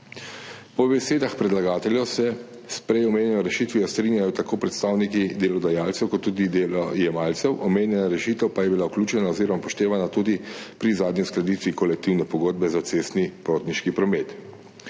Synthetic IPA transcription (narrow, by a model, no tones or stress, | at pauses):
pɔbɛseːd̪axpɾɛd̪laɡaːt̪ɛljɔsɛ | spɾɛjɔmeːnʲjɛjɔɾɛʃiːt̪ʋijɔst̪ɾinjajɔt̪akoːpɾɛt̪st̪aːwnikid̪elɔd̪ajaːlt̪sɛwkɔt̪ːuːd̪id̪elɔjɛmaːlt̪sɛwʔɔmeːnjɛnaɾɛʃiːt̪ɛwpajɛbilauklʲuːt͡ʃɛnaoziːɾɔmapɔʃt̪eːʋanat̪uːd̪ipɾizaːd̪ɲisklɛd̪iːt̪ʋikɔlɛk̚t̪iwnɛpɔɡoːd̪̚bɛzat̪seːst̪nipɾoːt̪niʃkipɾɔmeːt̪